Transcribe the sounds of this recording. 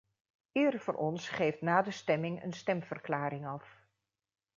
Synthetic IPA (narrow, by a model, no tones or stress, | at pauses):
ɪərvʊːrʔɔnsχejftnaːdəstɛmɪŋə̰nstɛmv̥ərklaːɾɪŋɑf